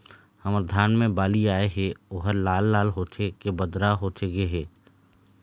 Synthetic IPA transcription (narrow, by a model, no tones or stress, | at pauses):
həməɾd̪ʱaːnmẽbaːliaːeɦɛoːɦəɾlaːlːaːlɦoːt̪ʰekebəd̪ɾaɦoːt̪ʰeɡeɦɛː